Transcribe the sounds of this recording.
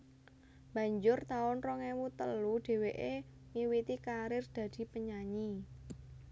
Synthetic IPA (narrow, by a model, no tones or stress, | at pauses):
b̥a̤ɲd͡ʒʊrt̪aʊnrɔŋewut̪əluɖ̪̥e̤weʔe | miwit̪ikaɾɪrd̪̥ä̤d̪̥i̤pəɲaɲi